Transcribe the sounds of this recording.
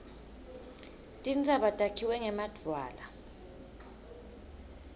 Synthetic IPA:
tʼint͡sʼaɓatʼakʰiwɛŋɛmad̥ʱwaːla

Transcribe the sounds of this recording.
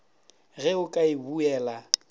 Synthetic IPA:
ɣɛʊkʼaɪbuɛːla

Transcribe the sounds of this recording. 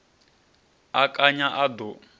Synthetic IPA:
akʼaɲaʔad̪ɔ

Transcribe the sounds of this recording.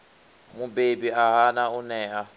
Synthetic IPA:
mubebiaɦanaunɛːʔa

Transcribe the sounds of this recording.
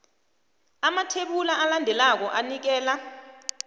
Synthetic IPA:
amatʰeɓulaʔalandʱɛlak̬ɔʔanik̬ɛːla

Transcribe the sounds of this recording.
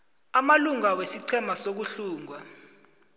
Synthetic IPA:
amaluŋawesiǀʰɛmasok̬uɬuːŋwa

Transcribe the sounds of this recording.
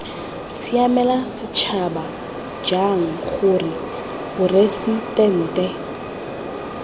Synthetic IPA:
siamɛlasɪt͡ʃʰaba | d͡ʒaŋ̩χʊrɪ | bʊresitʼɛn̩ːtʼɛ

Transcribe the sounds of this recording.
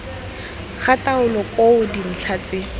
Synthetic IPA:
k͡xʰatʼaʊlɔkʼoʊdin̩ɬʰat͡sʼɪ

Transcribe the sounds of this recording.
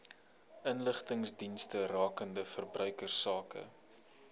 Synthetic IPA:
ənləχtəŋsdinstərɑːkəndəfərbrœɥkərsɑːkə̰

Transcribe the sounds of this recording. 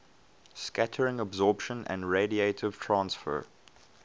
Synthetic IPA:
skatʰəɹɪ̃ŋəbzɔːˑpʃə̃nʔə̰̃ndɹeɪdieɪtʰɪv̥tʰɹãnsfə̰

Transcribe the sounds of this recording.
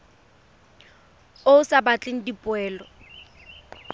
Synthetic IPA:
oʊsabat͡ɬʼɪŋ̩dipʼʊɛːlɔ

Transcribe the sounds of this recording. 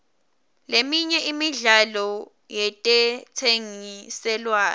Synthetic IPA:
lemiɲɛimiɮalɔ | jɛtʼɛt͡sʰeŋisɛlwaːn

